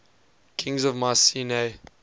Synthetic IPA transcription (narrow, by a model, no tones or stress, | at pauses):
kʰɪ̃ŋzɔvmasine